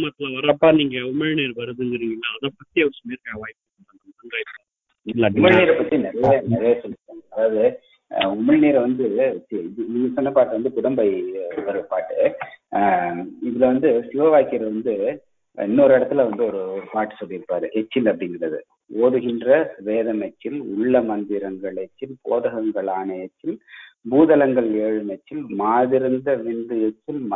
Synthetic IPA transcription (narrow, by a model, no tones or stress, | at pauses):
mat̪ːɪlɐʋɐɾɐpːaːniːŋɡɐʊmːɐɭneːɾʋɐɾɯðɯŋɡɪɾiːŋɡɐnːaːðaːpɐt̪ːiɐʋɐɾsɐmeːɾkaɐʋaːjkː | ɐnɐnɐnɐnɡaːjɪpːaː | ʊmːɐɭneːɾɐpːɐt̪ːinɪɾɐjɐnɛɾɐjɐsɔlːɪɾɯʈːaːŋɡɐɐðaːʋðɯ | ʊmɐɻneːɾʋɐnd̪ɯɪniːŋɡɐsɔnːɐpaːʈːɐʋɐnd̪ɯkʊɽɐmbɐɪʋɐɾɯpaːʈːɯ | ɪðɯlɐʋɐnd̪ɯsɪʋɐʋaːjkɪɾɐʋɐnd̪ɯ | ɛ̰nːɔɾɯɛɽɐt̪ːɪlɐʋɐnd̪ɯɔɾɯɔɾɯpaːʈːɯ̥sɔlːɪɾɯpːaːɾɯʔɛt͡ʃːɪlɐpːɐɽɪnɡrɐðɯ̰ | oːðɯɣɪndrɐʋeːðɐmɛt͡ʃːɪlʊ̰ɭːɐmɐnd̪ɪɾɐŋɡɐɭɛt͡ʃːɪlpoːðɐɣɐŋɡɐɭaːnɐɛt͡ʃːɪlbuːðɐlɐŋɡɐɭeːɻɯmɛt͡ʃːɪlmaːðɪɾɯnd̪ɐʋɪɳɖɯɛt͡ʃːɪlm